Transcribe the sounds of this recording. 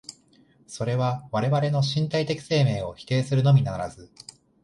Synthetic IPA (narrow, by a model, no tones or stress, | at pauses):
so̞ɾe̞βaβaɾe̞βaɾe̞no̞ɕĩnt̪ait̪e̞kʲi̥se̞ːme̞ːo̞çi̥t̪e̞ːsɨɾɯ̟no̞mʲinaɾa̰zɨ